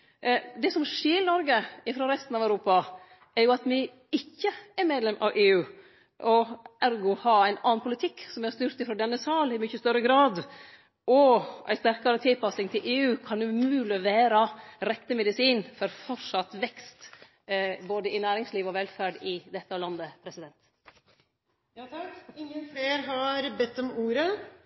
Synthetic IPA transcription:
d̪ɛsɔmʂeːɾnɔɾɡəɪfɾoːɾɛst̪n̩ɑʋæʉɾuːpɑ | ɛɾjʊɑt̪mɪ | ɪçːəɛɾmeːd̪lɛmʔɑ̰ʋeːʉː | ʔɔæɾɡʊhɑæɪnɑ̰ːnpʰʊlɪt̪ʰɪkːsɔmæhst̪yːɾt̪ɪfɾɔːd̪ɛnːəsɑːlɪmʏçəst̪œɾəɡɾɑːd̪ | ʔɔʔæ̰ɪst̪æɾkɑɾət̪ʰɪlpɑsɪŋt̪ʰɪlʔeːʉːkʰɑnʉmʉːləʋæːɾɑɾɛt̪ːəmɛd̪ɪsiːnfɔɾfɔʂɑt̪ʋɛkst̪ | boːd̪əɪnæːɾɪŋsliːʋɔʋɛlfæɖɪd̪ɛt̪ːəɔlɑnd̪əpʰɾɛsɪd̪ɛnt̪ | j̪kɪŋːənfɽeːɾɦɑɾbɛt̪ːɔmuːɾə

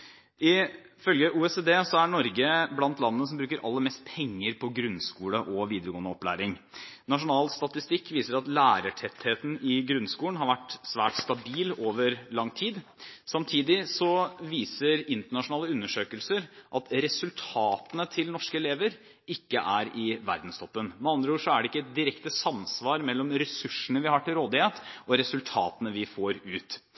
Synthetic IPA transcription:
ɪfœlɡəʔuːɛseːd̪eːsɔæɳɔɾɡəblɑnt̪lɑnːənəs̬ɔmbɾʉːkəɾʔɑ̰lːəɾmɛst̪̚pʰɛŋːəɾpʰɔɡɾʉnskuːləʔɔʋiːd̪əɾəɡoːnəɔplæ̰ːɾɪŋnɑʂʊnɑːlst̪ɑt̪ɪst̪ɪkːʋiːsəɾɑt̪læːɾəʈʰɛt̪heːt̪n̩ɪɡɾʉnskuːlənɦɑɾʋæʈsʋæːʈst̪ɑbiːloːʋəɾlɑŋːt̪ʰiːd̪sɑmt̪ʰiːd̪ɪsɔʋiːsəɾɪnt̪əɳɑʂʊnɑːləʉnːəʂøːkəlsəɾʔɑt̪ɾɛsʉlt̪ʰɑːt̪ənət̪ʰɪlnɔʂkəɛleːʋəɾ | ɪkːəʔæɾɪʋæ̰ɾd̪n̩st̪ʰɔpːənmɛɑnd̪ɾəuːʂɔæɖɛɪkːəɛt̪̚d̪ɪɾɛkt̪əsɑmsʋɑːɾmɛlːɔmɾɛsʉʂənəʋɪhɑʈɪlɾoːd̪ɪheːt̪ɔɾɛsʉlt̪ʰɑ̰ːt̪ənəʋɪfoːɾʉːt̪

